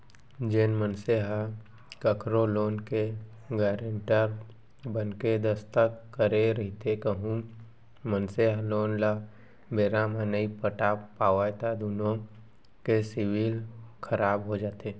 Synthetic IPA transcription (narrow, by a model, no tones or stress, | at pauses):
d͡ʒenmənseɦa | kəkɾoloːnke | ɡɛːɾəɳʈəɾ | bənked̪əst̪əkkːəɾeɾəɦit̪ekəɦũ | mənseɦaloːnla | beːɾãmanəipəʈapaːʋajt̪ad̪unõ | kesɪʋiːlkʰəɾaːbɦod͡ʒaːt̪eː